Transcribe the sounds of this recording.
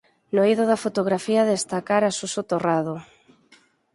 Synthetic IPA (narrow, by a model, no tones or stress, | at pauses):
noiðoðafot̪oɣ̞ɾafiɐðest̪akaɾasusot̪oraðʊ